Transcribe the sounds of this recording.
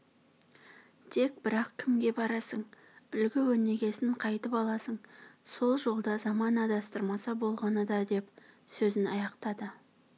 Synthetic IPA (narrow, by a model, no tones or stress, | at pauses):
t̪ʰe̞k̚bɪɾɑqkʲʰɪmɡʲe̞bɑɾɑsəɴ | ʏlɡʲɪwɵne̞ɡʲe̞sɪɴqʰɑjt̪əpɑlˠɑsəɴso̞lˠʒo̞lˠd̪ɑzɑmɑnɑd̪ɑst̪əɾmɑsɑbo̞lˠʁɑnəd̪ɑd̪e̞psɵzɪnɑ̰jɑqt̪ɑd̪ə